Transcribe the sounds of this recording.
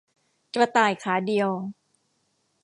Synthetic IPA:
t͡ɕa˧t̪aː˨˩jkʰaː˩˦di˧əw

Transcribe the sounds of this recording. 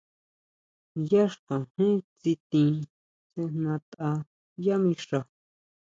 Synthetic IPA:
ja˦ʂkã˨hĩ˦t͡si˧t̪ĩ˧ | se˧n̥nã˧t̪a˧ | ja˦mĩ˧ʂa˧

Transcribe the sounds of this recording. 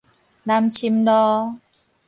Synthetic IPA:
la˧mt͡ɕʰi˧˥mdɔː˧

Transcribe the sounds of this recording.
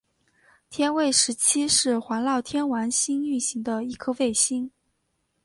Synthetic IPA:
t̪ʰjɛ˥nwe˥˩ɪʂɻ̩˧˥t͡ɕʰi˥ʂɻ̩˥˩xwa˧˥nlɑ˥˩ʊt̪ʰjɛ˥nwa˧˥nɕi˥ny˥˩nɕi˧˥ŋd̪ə˧i˥˩kʰɤ˥fe˥˩ɪɕi˥ŋ

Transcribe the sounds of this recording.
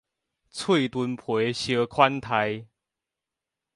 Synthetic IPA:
t͡sʰwe˥˨t̪wu˧npʰwe˨˦ɕjə˧kʰwa˦nt̪ʰa˧j

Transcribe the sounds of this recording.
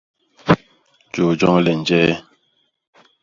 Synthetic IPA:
d͡ʒo˨d͡ʒɔ˦ŋ˦lɛ˨n˨d͡ʒɛː˦

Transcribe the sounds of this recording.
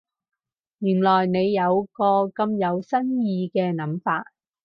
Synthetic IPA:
jyː˨˩nlɔː˨˩jne˨˧jːɐ˨˧wkɔː˧kɐ˧mjɐ˨˧wsɐ˥njiː˧kɛː˧nɐ˨˧mfaː˧t̚

